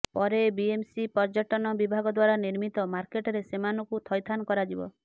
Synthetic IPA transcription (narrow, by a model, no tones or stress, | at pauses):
pɔɾebiemsipɔɾd͡ʒɔʈɔnɔbibʱaɡɔd̪waɾaniɾmit̪ɔmaɾkeʈɔɾesemanɔkut̪ʰɔjt̪ʰanɔkɔɾad͡ʒibɔ̰